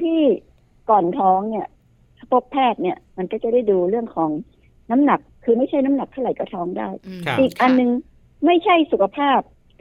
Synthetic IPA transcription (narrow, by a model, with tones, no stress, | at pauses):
t̪ʰiː˥˩ | kɔː˨˩nt̪ʰɔː˦˥ŋni˥˩ɐ˥˩ | pʰo˦˥pʰːɛː˥˩t̪̚ni˥˩əma˧nkɔː˥˩t͡ɕa˨˩da˥˩jduː˧ɾɯ˥˩əŋkʰɔː˩˦ŋ | na˦˥mna˨˩k̚ʰːɯː˧ma˥˩jʰa˥˩jna˦˥mna˨˩k̚t̪ʰa˥˩wɾa˨˩˦jkɔː˥˩t̪ʰɔː˦˥ŋdaː˥˩jʔiː˨˩k̚ʔa˧nːɯ˧ŋ | ma˥˩jt͡ɕʰa˥˩jsu˨˩kʰa˧pʰaː˥˩p̚